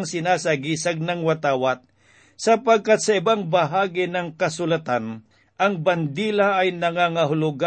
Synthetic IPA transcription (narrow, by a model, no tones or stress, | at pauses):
ŋsɪnasaɡisaɡ̚nɐŋwat̪aːwat̪̚ | sɐpaɡ̚kat̪̚sɐɪbaŋbaɦaːɡɪnɐŋkɐsʊlat̪an | ɐŋband̪iːlaːjnɐŋaŋaɦʊlʊɡa